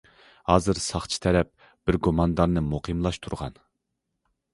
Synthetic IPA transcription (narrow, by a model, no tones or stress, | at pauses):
hɑːzɨɾsɑχt͡ʃʰi̥t̪ʰɛɾɛp̚ | b̥ɪɾɡomɑnd̪ɑnnɨmoqʰɨmlˠɑʃt̪ʰuɾʁɑ̰n